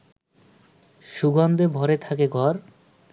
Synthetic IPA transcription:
ʃuɡɔnd̪ebʱɔɾet̪ʰakeɡɔɾ

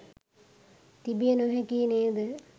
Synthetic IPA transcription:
t̪ibijənoɦɛkineːd̪ə

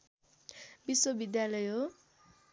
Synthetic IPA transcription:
biswobid̪jalʌjɦo

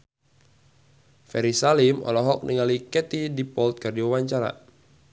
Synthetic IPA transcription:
fɛɾisalimɔ̰lɔɦɔk̚niŋalikɛt̪idipɔlt̪̚kɨrdiwawaɲt͡ʃaɾa̰

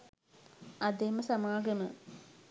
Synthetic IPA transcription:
ɐd̪emɐsɐmaːɡɐmɐ

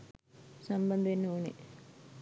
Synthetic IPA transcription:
sɐmbɐnd̪enːoːni

